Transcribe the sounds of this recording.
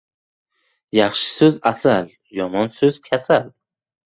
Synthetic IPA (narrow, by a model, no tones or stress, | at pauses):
jɑχʃɪ̥sɵzasal | jɒmɒnsɵzkʲʰasal